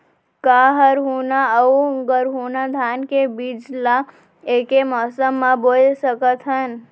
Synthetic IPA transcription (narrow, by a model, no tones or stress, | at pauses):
kaɦəɾɦunaəuɡəɾɦunad̪ʱankebid͡ʒla | ekemɔsəmːãbolsəkət̪ɦən